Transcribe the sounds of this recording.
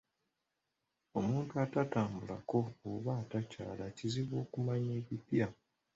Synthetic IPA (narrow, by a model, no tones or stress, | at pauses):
o̞muːntuatataːmbula̰ko̞oβaːtaca̰ːlaciziβwo̞ːkumaɲe̞ːβipja